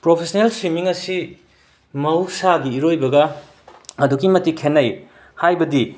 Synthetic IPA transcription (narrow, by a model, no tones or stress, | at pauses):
pɾopʰesnelswimiŋɐsi | mɐwsaɡiiɾojbɐɡɐ | ɐdukimɐtikʰenːɐj | hajbɐdi